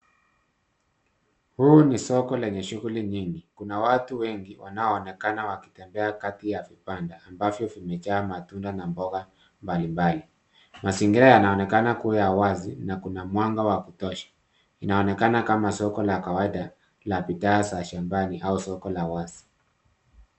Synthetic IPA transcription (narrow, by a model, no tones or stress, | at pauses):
huːnisɔkɔlɛɲɛʃuɣuliɲiŋɡikunawatuwɛŋɡiwʔa̰naɔːnɛkanawaki̥tɛmbɛakatijavipandaambavjɔvimɛt͡ʃaːmatundanambɔɣa | mbalimbali | masiŋɡiɾajanaɔnɛkanakuwɛjawazinakunamwaŋɡawakutɔʃḁ | inaɔnɛkanakamasɔkɔlakawaiɗa | lapitaːsaʃambaniʔausɔkɔlawazi̥